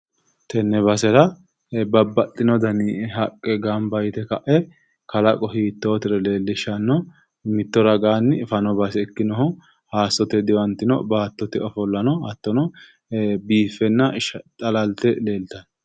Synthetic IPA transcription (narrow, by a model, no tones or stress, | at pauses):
t̪ɛnːɛbɐsɛɾɐ | bɐbːɐt̪ʼːɪnɔd̪ɐniɦɐkʼːɛɡambɐjt̪ɛkɐ̰ʔɛ | kɐlɐkʼɔɦiːt̪ːoːt̪ɪɾɛle̞ːlːɪʃɐnːɔ | mɪt̪ːɔɾɐɡaːnːɪfɐnɔbɐsɛɛkːɪnɔɦɔ | haːsːɔt̪ɛd̪ɪwɐnt̪ːɪnɔ̰baːt̪ːɔt̪ɛɔfɔlːɐnɔɐt̪ːɔnɔ | biːfːɛnːɐʃt̪ʼɐlɐlt̪ɛle̞ːlt̪ɐn